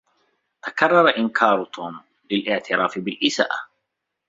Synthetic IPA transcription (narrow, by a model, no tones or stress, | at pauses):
t̪akɑrˤːɑɾˤɑʔɪnkʰɑːɾˤt̪ʰuːm | lɪlʔɪʕt̪ɪɾaːfɪbɪlʔɪsa̰ːʔa